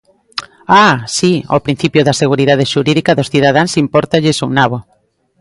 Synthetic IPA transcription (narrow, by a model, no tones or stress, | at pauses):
asio̰pɾin̟θipjoðaseɣ̞uɾiðað̞eʃuɾiðikaðosθiðað̞ãnsimpɔɾt̪aʎesuŋnaβo